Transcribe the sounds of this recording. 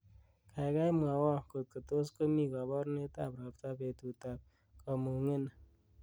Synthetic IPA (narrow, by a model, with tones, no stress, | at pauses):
kʰa˨jɡa˦jma˨wɔ˦ko˨t̪̚kə˨t̪o˦sko˦mi˦ka˨bɔ˦ɾne˦t̪a˦˨pɾa˨pt̪a˦pe˨t̪u˨t̪a˨p̚ | kɔ˨mu˨ŋe˦n